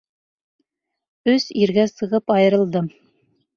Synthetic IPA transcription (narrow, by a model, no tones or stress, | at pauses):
ɵsiɾɡæsɤ̆ʁɤpɑjɤ̆ɾɤ̆lˠd̪ɤm